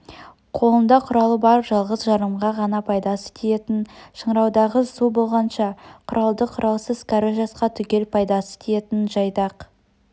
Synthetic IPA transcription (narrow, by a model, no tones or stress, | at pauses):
qʰo̞lˠənd̪ɑqʰʊɾɑlˠəbɑɾʒɑlˠʁəzʒɑɾəmʁɑʁɑnɑpʰɑjd̪ɑsə̥t̪ʰeje̞t̪ɪnʃəɴɾɑwd̪ɑʁəsubo̞lˠʁɑnʃɑqʰʊɾʔɑlˠd̪əqʰʊɾɑlˠsəzkʰaɾəʒɑsqɑt̪ʰʏkʲe̞lpʰɑjd̪ɑsə̥t̪eje̞t̪ɪnʒɑjd̪ɑq